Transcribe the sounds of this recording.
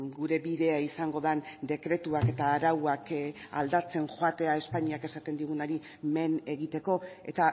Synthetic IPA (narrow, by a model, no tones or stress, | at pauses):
ɡuɾe̞βiðe̞aisaŋɡo̞ð̞and̪e̞kɾe̞t̪uake̞t̪aːɾawaka̰ld̪at͡se̞ŋxoat̪e̞ae̞spaɲiake̞sat̪e̞nd̪iɣ̞unoɾi | me̞ne̞ɣit̪e̞ko̞e̞̰t̪a